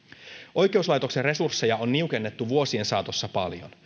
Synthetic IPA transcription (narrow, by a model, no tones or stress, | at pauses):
ʔo̞jke̞uslɑjt̪o̞kse̞rre̞sursːe̞jɑo̞nːiuke̞nːe̞t̪ːuʋuo̞sie̞nsɑːt̪osːɑpɑ̰ljo̰n